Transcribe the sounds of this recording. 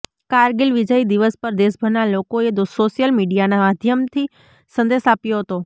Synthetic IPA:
kaɾɡɪlʋid͡ʒəid̪iʋəspəɾd̪esbʱəɾnalokoed̪osoʃijəlmiɖijanamad̪ʱjəmt̪ʰi | sə̃nd̪esapjoɦət̪o

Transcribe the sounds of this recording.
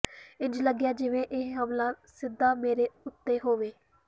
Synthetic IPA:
ɪ̃nd͡ʒləɡjaːd͡ʒɪʋẽːʔɪɦɦəmlaːsɪd̪ːaːmeːɾeːʊt̪ːeːɦoːʋeː

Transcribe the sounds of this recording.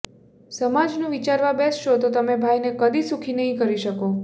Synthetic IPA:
səmad͡ʒnũʋit͡ʃaɾʋabɛsʃot̪ot̪əmebʱajnekəd̪isũkʰinəɦĩkəɾiʃəko

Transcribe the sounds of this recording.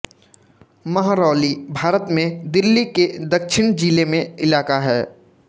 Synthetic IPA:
mɐɦaɾɔːlibʱaːɾət̪mẽd̪ɪlːiked̪ɐkʃɪñd͡ʒiːlemẽɪlaːkaɦɛː

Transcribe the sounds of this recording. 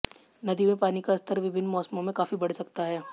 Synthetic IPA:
nɐd̪imẽpaːnikaɐst̪ʰəɾʋɪbʱɪnːmɔːsmõmẽkaːfibɐɽ̤sɐkt̪aɦɛː

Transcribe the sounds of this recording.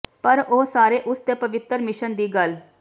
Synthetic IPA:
pəɾoːsaːɾeːʔʊst̪eːpəʋɪt̪ːəɾmɪʃənd̪iːɡəl

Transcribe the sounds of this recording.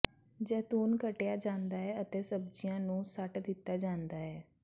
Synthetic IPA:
d͡ʒɛːt̪uːnkəʈejaːd͡ʒãːnd̪aːɦɛːət̪eːsəb̚d͡ʒɪjãːnũːsəʈd̪ɪt̪ːaːd͡ʒãːnd̪aːɛː

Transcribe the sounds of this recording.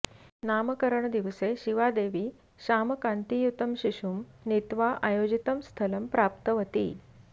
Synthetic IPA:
naməkəɾəɳd̪iʋseɕiʋad̪eʋiː | ɕaməkant̪ijut̪əmɕiɕumnit̪ʋaʔajod͡ʑit̪əmst̪ʰələmpɾapt̪əʋət̪ḭː

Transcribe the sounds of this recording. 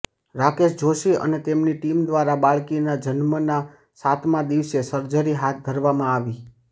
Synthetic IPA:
ɾakeʃd͡ʒoʃiə̰net̪emniʈimd̪ʋaɾabaɭkinad͡ʒənməna | sat̪ʰmãd̪iʋsesəɾd͡ʒəɾiɦat̪̚d̪ʱəɾʋamãaʋi

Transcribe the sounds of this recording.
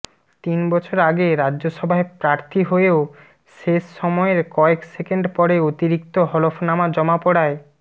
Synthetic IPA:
t̪inbɔt͡ɕʰoɾaɡeɾadːʑoʃɔbʱaepɾaɾt̪ʰiɦoeo | ʃeʃːɔmɔeɾkɔeksekeɳɖpɔɾeot̪iɾik̚t̪oɦɔlofʰnamad͡ʑɔmapɔɽae

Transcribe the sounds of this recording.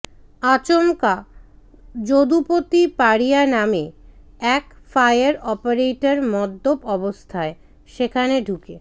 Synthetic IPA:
at͡ɕomka | d͡ʑod̪upot̪ipaɾijaname | ɛk | fajaɾɔpaɾejʈaɾmɔd̪ːobɔbost̪ʰae | ʃekʰaneɖʱuke

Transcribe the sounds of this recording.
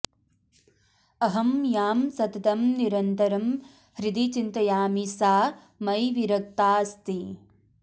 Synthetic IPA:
ɐɦɐmjaːmsɐt̪ɐt̪ɐmniɾɐnt̪ɐɾɐm | hɾid̪it͡ʃint̪ɐjaːmisaː | mɐjʋiɾɐk̚t̪aːst̪i

